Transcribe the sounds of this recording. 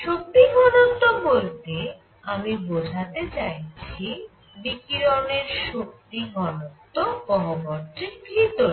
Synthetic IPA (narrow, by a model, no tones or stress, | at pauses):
ʃok̚t̪iŋɔnont̪obolt̪e | amibod͡ʑʱat̪et͡ɕajt͡ɕʰi | nikiɾɔneɾʃok̚tiŋɔnont̪okɔɦobɔɾt̪iɾɡɾit̪oɾ